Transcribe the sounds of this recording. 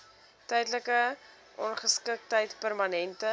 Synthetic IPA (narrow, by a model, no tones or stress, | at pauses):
tɛjdləkə | ʔɔnχəskək̚təjtpərmɐnɛntə